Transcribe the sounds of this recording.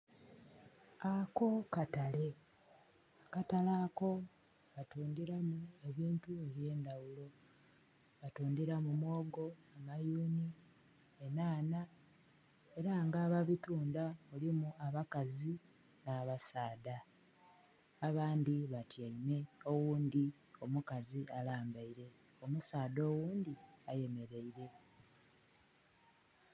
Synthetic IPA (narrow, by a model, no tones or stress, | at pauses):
ako̞katale̞ | akatalaːko̞ | βatuːndiɾamue̞βiːntue̞βje̞ːndawulo̞ | βatuːndiɾamumwo̞ːɡo̞amajuːni | enaːna | e̞ɾaŋɡaːβaβituːndaulimuaβakazi | naːβasaːda | βaːnd̪iβatjaime̞o̞wuːnd̪i | o̞mukazialaːmbaiɾe̞ | o̞musaːdo̞ːwuːnd̪iaje̞me̞ɾe̞iɾe̞